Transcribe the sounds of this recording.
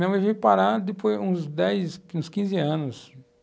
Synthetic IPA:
nɐ̃w̃ewvipaɾad̪ɪpojzũzd̪ɛjsũskĩzɪɐ̃nʊs

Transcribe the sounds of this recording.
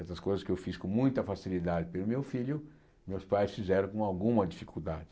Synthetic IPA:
ɛsɐskojzɐskɪewfiskõmũj̃t̪ɐfasilid̪ad͡ʒɪpelʊmewfiʎʊ | mewspajsfizɛɾɐ̃kõawɡũmɐd͡ʒifikud̪ad͡ʒɪ

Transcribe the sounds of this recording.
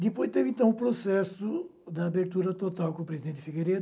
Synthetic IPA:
d̪ɪpojzt̪evẽnt̪ɐ̃w̃ʊpɾosɛsʊ | d̪ɪabeɾt̪uɾɐt̪ot̪awkõpɾezid̪ẽɪfiɡeɾed̪

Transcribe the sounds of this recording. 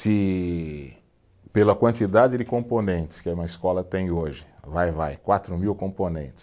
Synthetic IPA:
sɪ | pelɐkwɐ̃nt͡ʃ̪id̪ad͡ʒɪd̪ɪkõponẽnt̪ɪ̥skɪ̃mɐiskɔlɐt̪ẽj̃oʒɪvajvajkwat̪ɾʊmiwkõponḛ̃nt̪ɪ̥s

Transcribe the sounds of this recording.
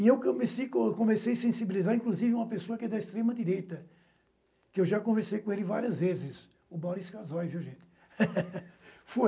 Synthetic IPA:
ɪewkõmesejkõkõmesejɐsẽsibilizaɾĩŋkluzivɪũmɐpesoɐkɪɛd̪ɐist̪ɾẽmɐd̪iɾejt̪ɐ | kɪewʒakõveɾsejkõelɪva̰ɾiɐzvezɪs | ʊbawɾiskazɔjviwʒẽnt̪ɪ̥ | fo

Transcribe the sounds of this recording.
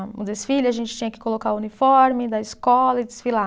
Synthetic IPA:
ṵ̃d̪esfilɐʒẽnt͡ʃɪ̥t͡ʃĩɲɐkɪ̥kolokaʊunifɔɾmɪd̪ɐɪskɔlɐɪd͡ʒ̪ɪsfila

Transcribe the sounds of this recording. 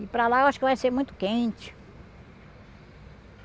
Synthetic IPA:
ɪpɾɐlaewaʃʊkɪvajseɾmũj̃t̪ʊ̥kẽt͡ʃɪ̥

